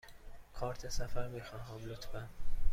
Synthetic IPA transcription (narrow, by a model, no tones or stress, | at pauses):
kʰɒːɾt̪ʰesæfæɾmiːxɒːnhɒːblot̪ʰbæn